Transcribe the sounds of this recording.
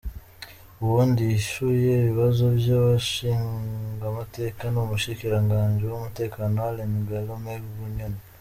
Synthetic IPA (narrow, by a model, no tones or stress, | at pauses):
uwondiʃujeβiβazo̞βjaβaʃiːŋɡamate̞kanomuʃikiɾaŋɡaːɲd͡ʒiwomute̞kaːnoalemiɡalomeɾuβuɲona